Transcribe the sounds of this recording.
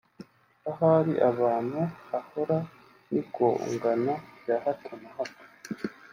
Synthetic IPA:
aɦaɾiʔaβaːnuahoɾa | nikoṵŋɡanajahatʰamahakḁ

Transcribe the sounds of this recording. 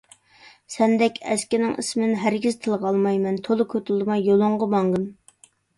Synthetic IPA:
sɛnd̪ɛkʲɛ̰skʲɪnɪŋḭsmnɦæɾɡʲiz̥t̪ʰɨlˠʁɑlˠmɑjmɛnt̪ʰolˠʊkʲʰøt̪ɪlˠd̪ɨmɑjːolˠʊɴʁəmɑŋʁɨn

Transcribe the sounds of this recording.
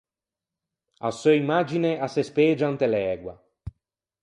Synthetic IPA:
a̰søimaːd͡ʒineʔasespeːd͡ʒant̪elɛːɡwa̰

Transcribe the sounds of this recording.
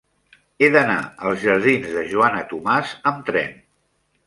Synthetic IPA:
eðəna̰əlˠzʒəɾðinzðəʒuanət̪umazəmt̪ɾɛ̰n

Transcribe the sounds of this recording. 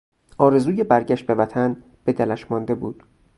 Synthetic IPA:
ʔɒːɾe̞zuːje̞bæɾɟæʃt̪̚be̞væt̪ʰæn | b̥e̞d̪ælæʃmɒnd̪e̞buːd̪̥

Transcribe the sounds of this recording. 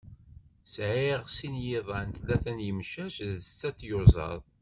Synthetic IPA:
sʕiʁsinjɪðˤænt̪læθænjəmʃæʃðt͡sːæt͡sːjʊzˤɑ̰ðˤ

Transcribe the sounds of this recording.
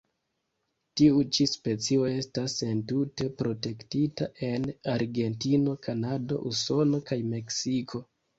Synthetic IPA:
tiut͡ʃispe̞t͡sio̞e̞stasentute̞pɾo̞te̞ktitaʔe̞naɾɡe̞ntino̞kʰanado̞̰ʔuso̞no̞kajme̞ksikʰo̞

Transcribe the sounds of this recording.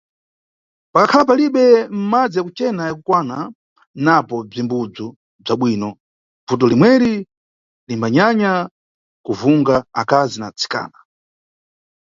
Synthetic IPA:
pakakʰalap̬aliɓɛm̩mad͡zijakut͡ʃɛnajakukwana | napɔb͡ʐimbud͡zu | b͡ʐaɓwiːnɔ | b͡vut̬ɔlimwɛɾi | limbaɲaɲa | kuvuŋɡaakazinat͡sʰi̥ka̰ːna

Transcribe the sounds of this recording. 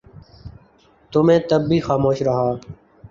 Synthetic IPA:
t̪ʊmẽːt̪əbːiːxaːmoːʃɾəɦaː

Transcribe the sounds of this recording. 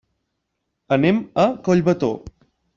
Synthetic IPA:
əneməkoʎβət̪o

